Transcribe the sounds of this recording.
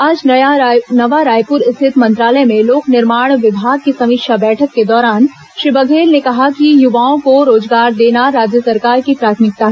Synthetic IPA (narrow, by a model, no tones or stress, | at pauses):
aːd͡ʒnɐjanɐʋaɾaːjpʊɾɪst̪ʰɪt̪mɐ̃nt̪ɾaːləemẽloːknɪɾmaːɽ̃ʋɪbʱaːɡ̚kisɐmɪkʃabɛːʈʰəkːed̪ɔːɾaːn | ʃɪbəɡʱeːlnekɐɦakijʊʋaːõkoɾoːd͡ʒɡaːɾd̪eːnaɾaːd͡ʒjəsɐɾkaːɾkipɾaːt̪ʰmɪk̚t̪aɦɛ